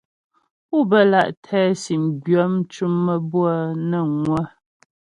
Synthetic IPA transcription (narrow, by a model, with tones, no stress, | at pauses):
u˦˨bə˦la˨ʔtʰɛː˦si˨mbɥɔ˨˦m̩˦t͡ʃu˦mːə˦bwa˦nə˦˨ŋwə˦